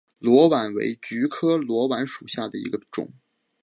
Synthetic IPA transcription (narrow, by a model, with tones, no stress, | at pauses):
lwɔ˧˥wa˧˥nwḛ˧˥ɪt͡ɕy˧˥kʰɤ˥lwɔ˧˥wa˧˥nʂu˨˩ɕja˥˩d̪ə˩ḭ˧˥ɡə˧ʈ͡ʂʊ̰˨˩˦ŋ